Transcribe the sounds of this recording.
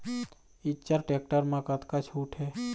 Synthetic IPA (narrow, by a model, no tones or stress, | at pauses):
ɪt͡ʃəɾʈeːk̚ʈəɾmãkət̪kat͡ʃʰuːʈʰɦɛː